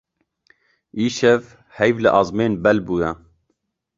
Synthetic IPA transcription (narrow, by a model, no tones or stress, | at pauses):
iːʃɛv | hɛjvlɨʔɑzmeːnbɛlbuːjɛ